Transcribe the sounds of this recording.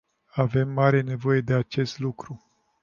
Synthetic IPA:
ave̞mːaɾe̞ne̞vo̞je̞d̪e̞at͡ʃe̞st̪lukɾu

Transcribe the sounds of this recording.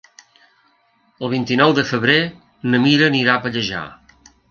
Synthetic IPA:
əlˠβint̪inɔwd̪əfəβɾe | nəmiɾəniɾapəʎəʒa̰

